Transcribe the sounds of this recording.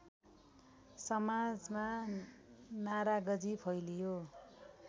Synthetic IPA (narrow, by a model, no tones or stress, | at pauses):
sʌmad͡zma | naɾaɡʌd͡zipʰʌjlijo